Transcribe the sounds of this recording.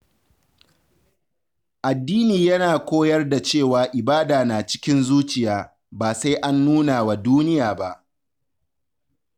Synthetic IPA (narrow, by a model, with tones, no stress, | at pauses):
ʔa˨dːiː˦niː˨jɐ˦naː˨kʷoː˦jɐ˦rda˨t͡ʃeː˦˨waː˨ʔɪ˨baː˦daː˨naː˨t͡ʃɪ̥˦kʲɪ˦nzuː˦t͡ʃɪ˨jaː˦ | baː˨sa˦jʔa˦nːuː˦naː˨wa˨duː˦nɪ˦jaː˨ba˦˨ʔ